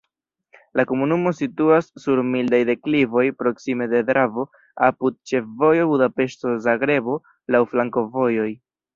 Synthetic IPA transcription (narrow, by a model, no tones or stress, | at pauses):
lako̞munumo̞situasːuɾmildajde̞klivo̞jpɾo̞ksime̞de̞dɾavo̞ | apud̪̚t͡ʃe̞fvo̞jo̞budape̞ʃto̞zaɡɾe̞bo̞ | lawflaŋko̞vo̞jo̞j